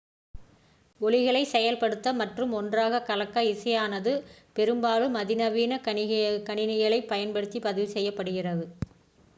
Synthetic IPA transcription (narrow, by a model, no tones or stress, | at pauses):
ɔɭɪɣɐɭɐɪsɛjɐlpɐɽɯt̪ːɐmɐʈrɯmɔndraːɣɐkɐlɐkːɐɪsɐjaːnɐðɯpɛɾɯmbaːlɯmɐðɪnɐʋiːnɐkɐɳɪnɪjɐɭɐɪpːɐjɐnpɐɽɯt̪ːipɐðɪʋɯsɛjːɐpːɐɽɯɣɪrɐðɯ